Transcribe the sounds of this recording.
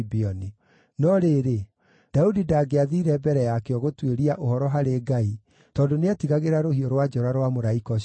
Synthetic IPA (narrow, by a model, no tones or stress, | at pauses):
biɔni | nɔɾeɾe | d̥audidaːɡeaðiɾɛbɛɾɛjakeɔɣotweɾiaʔohɔɾɔɦaɾeːɡai | tɔːdoneatiɣaɣeɾaɾohiɔɾwad͡ʒɔɾaɾwamoɾaikɔ